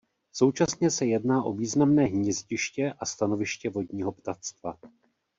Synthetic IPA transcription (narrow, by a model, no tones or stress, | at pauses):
so̞wt͡ʃasɲɛsɛjɛdnaːʔo̞viːznamnɛːɦɲɛzɟɪʃcɛʔast̪ano̞vɪʃcɛvo̞dɲiːɦo̞pt̪at̪st̪va